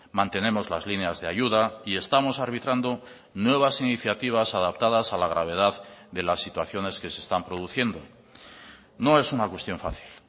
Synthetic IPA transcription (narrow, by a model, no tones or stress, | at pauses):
mãnt̪e̞nẽ̞mo̞zlazlineazðeaʝuðaie̞st̪amo̞saɾβ̞it̪ɾand̪o̞ | nwe̞β̞asiniθjat̪iβ̞asaðap̚t̪að̞asalaɣ̞ɾaβ̞e̞ð̞aððe̞lasːit̪waθjo̞ne̞ske̞se̞ːst̪ampɾo̞ð̞uθje̞nd̪o̞ | no̞e̞sunakwe̞st̪jo̞ɱfa̰θi̥l